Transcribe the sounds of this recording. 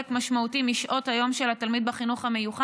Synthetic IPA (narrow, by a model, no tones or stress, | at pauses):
ekmaʃmautimiʃʔo̞thajo̞mʃelat̪almid̪̚baχinuχhame̞juχa